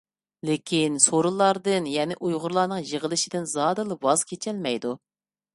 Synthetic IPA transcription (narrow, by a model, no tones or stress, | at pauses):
lɪkʲʰinsoɾɨlˠɑɾd̪ɨnjɛnɪʔujʁʊɾlˠɑːnɨŋjəʁəlˠɨʃɪd̪ɪnzɑd̪ɨlˠɨwɑz̥kʲʰet͡ʃʰɛlmɛjd̪u